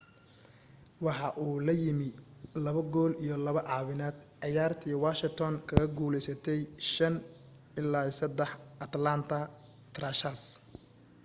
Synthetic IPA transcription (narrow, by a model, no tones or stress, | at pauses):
wɑħɑʔuːlɐjɪmɪlɐβɐɡɔːlijɞlɐβɐʕɑːwɪnaːd̪̥ʕɑjaːrt̪ʰiːwaʃɪt̪ʰɔŋkʰɐɣɐɡuːlɛjsɐt̪ʰɛjʃɐn | ɪlaːsɐd̪ɛħɐt̪lant̪ʰɐ | t̪ʰraʃas